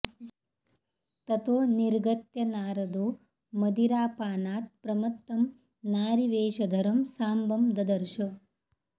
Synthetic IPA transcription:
t̪ɐt̪oːniɾɡɐt̪jɐnaːɾɐd̪oː | mɐd̪iɾaːpaːnaːt̪̚pɾɐmɐt̪ːɐm | naːɾiʋeːʃɐd̪ʱɐɾɐmsaːmbɐmd̪ɐd̪ɐɾʃɐ

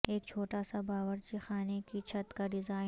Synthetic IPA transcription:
eːkt͡ʃʰoːʈasabaːʋəɾt͡ʃixaːnekit͡ʃʰɐt̪kaɖɪzaːɪ

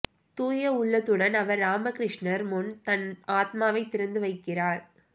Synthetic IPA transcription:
t̪uːjɐʊɭːɐt̪ːɯɽɐnɐʋɐɾːaːmɐkɪɾɪʂɳɐɾmʊnt̪ɐnaːt̪maːʋɐɪt̪ːɪɾɐnd̪ɯʋɐɪkːɪraːɾ

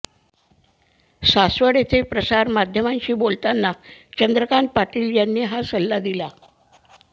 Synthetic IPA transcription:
sasʋəɽet̪ʰepɾəsaɾmad̪ʱjəmaɲt͡ɕiːbolt̪anːat͡ɕənd̪ɾəkaɳʈ̚paʈiːljanːiːɦasəlːad̪ila

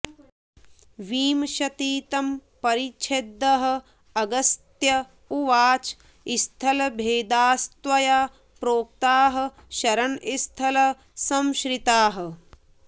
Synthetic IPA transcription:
ʋiːmʃɐt̪iːt̪ɐmpɐɾit͡ʃʰed̪ːɐɦɐ̆ | ɐɡɐst̪jɐ | uʋaːt͡ʃ | ist̪ʰɐlɐbʱeːd̪aːst̪ʋɐjaː | pɾoːk̚t̪aːɦɐ̆ | ʃɐɾɐnist̪ʰɐlɐ | sɐmʃɾit̪aːɦɐ̆

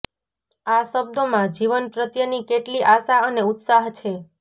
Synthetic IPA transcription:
aʃəb̚d̪omãd͡ʒiʋənpɾət̪jənikeʈliʔaʃaəneut̪saɦt͡ʃʰe

